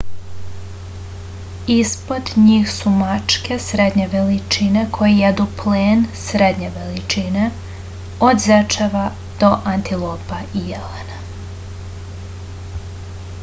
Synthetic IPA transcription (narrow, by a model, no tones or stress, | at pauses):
ispo̞d̪ɲiːxsumat͡ʃke̞sɾed̪ɲeʋelit͡ʃinekʰo̞jijed̪upleːnsɾed̪ɲe̞ʋelit͡ʃine | od̪zɛt͡ʃeʋa | d̪̥o̞ʔant̪ilˠoːpaijelena